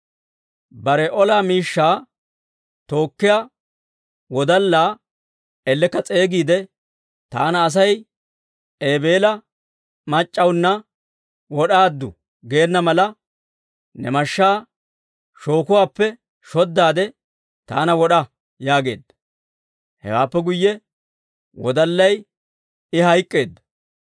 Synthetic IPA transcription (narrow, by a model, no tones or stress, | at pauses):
bɐɾɛʔɔlaːmiːʃːaː | t̪o̞ːkːɪjaː | wɔd̪ɐlːaː | ɛlːɛkːɐt͡sʼe̞ːɡiːd̪ɛ | t̪a̰ːnɐːs̬ɐj | eːbe̞ːlɐ | mɐt͡ʃʼːɐwnːɐ | wɔɗaːd̪ːʊ̰ | ɡe̞ːnːɐmɐlɐ | nɛmɐʃːaː | ʃo̞ːkʊwaːpːɛ | ʃɔd̪ːaːd̪ɛ | t̪a̰ːnɐwɔɗɐ | jaːɡe̞̰ːd̪ːɐ̥ | hɛ̰waːpːɛɡʊjːɛ | wɔ̰d̪ɐlːɐj | ɪhɐjkʼːe̞ːd̪ːɐ̥